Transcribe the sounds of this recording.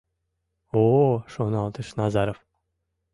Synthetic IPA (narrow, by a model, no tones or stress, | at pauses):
oʃonɑlˠt̪ɨʃnɑzɑɾof